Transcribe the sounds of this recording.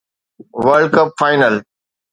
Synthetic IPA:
ʋəɾɖkəpfaːɪnəl

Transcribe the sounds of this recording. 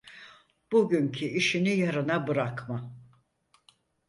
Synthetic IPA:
b̥uɟyɲcʰiiʃinijaɾɯnabɯɾakma

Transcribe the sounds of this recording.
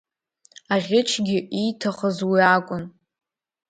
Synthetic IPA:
aʁʲɪt͡ʃʰɡʲɪʔitʰaχəzwiakʷʼʊn

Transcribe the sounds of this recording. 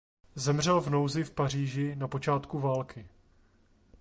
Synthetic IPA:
zɛmr̝ɛlvno̞wzɪfpariːʒɪnapo̞t͡ʃaːt̪kuvaːlkɪ

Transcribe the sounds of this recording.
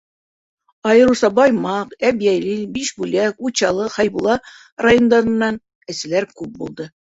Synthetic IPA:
ɑjɤ̆ɾusɑbɒjmɑqæbijæjlɘbiʃbʉlækut͡ɕɑlˠɤχɑjbulˠɑ | rajond̪ɑɾɤ̆nːɑn | ɘ̆sɘ̆læɾkʉp̚bulˠd̪ɤ

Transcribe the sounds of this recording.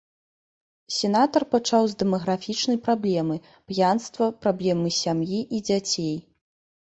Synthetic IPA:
sʲɛn̪at̪ɐrpat͡ʂawzd̪ɛmɐɣɾafʲit͡ʂnɐjpɾablʲɛmɨ | pjanst̪vɐpɾablʲɛmɨsʲamjiʔid͡zʲat͡sʲej

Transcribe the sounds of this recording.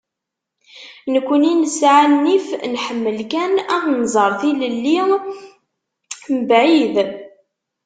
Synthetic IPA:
nəkʷːəninəsʕanːifnħəmːəlkænænzˤəɾˤθiləlːi | məbʕið

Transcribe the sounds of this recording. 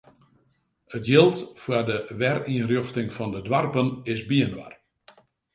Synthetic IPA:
ətjɪlˠtfwədəʋɛriənrjøxtɪŋfɔndədwarpənɪsbiənʋa̰r

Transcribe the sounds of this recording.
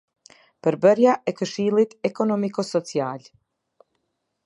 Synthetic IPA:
pəɾbəɾjaʔɛkəʃiːlˠit̪ɛkɔnɔmikɔsɔt͡sjaːlʲ

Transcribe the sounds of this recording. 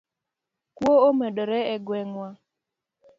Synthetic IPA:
kwoomɛdɔɾɛɛɡwɛŋwa

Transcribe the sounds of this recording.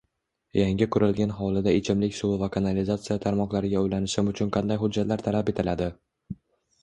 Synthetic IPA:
jaŋʲɪkʰʊɾɪlɡʲanɦɒlˠɪd̪aet͡ʃʰɪmlɪkʲsʊvakʰanalizat̪sɨjat̪ʰaɾmɒqlaɾɪɡʲaojlanɪʃɪmʊt͡ʃʰʊnqʰɑnd̪ajɦʊd͡ʒːat̪laɾt̪ʰalape̞t̪ʰɪlad̪ɪ

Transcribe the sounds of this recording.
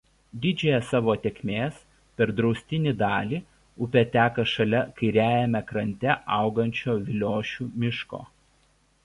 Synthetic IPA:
d̪ʲɪd͡ʒʲɛːjɛsɑːʋoːt̪ʲɛkʲmʲeːs | pʲɛɾd̪ɾɒʊsʲt̪ʲɪnʲid̪ɑːlʲiː | ʊpʲɛt̪ʲæːkɐʃɐlʲɛkɐɪɾʲæːjɛmʲɛkɾɐnʲt̪ʲɛʔɐˑʊɡɐnʲt͡ʃʲoːʋʲɪlʲoːʃʲuːmʲɪʃko̰ː

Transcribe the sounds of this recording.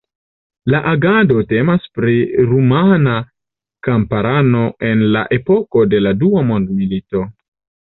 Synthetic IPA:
laʔaɡado̞te̞maspɾiɾumana | kampaɾano̞ʔe̞nla̰ʔe̞po̞ko̞de̞laduamo̞ndmilito̞

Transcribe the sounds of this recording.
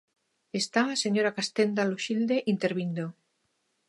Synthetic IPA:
est̪aːseɲoɾakast̪end̪aloʃild̪eʔint̪eɾβind̪o

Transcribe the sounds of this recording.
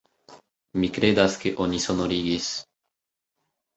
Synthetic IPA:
mikɾed̪askeʔonʲisonoɾiɡes

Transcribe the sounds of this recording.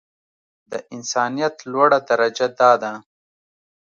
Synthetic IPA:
d̪əʔɪnsɑːnijat̪lwaɽad̪aɾɐd͡ʒad̪ɑːd̪a

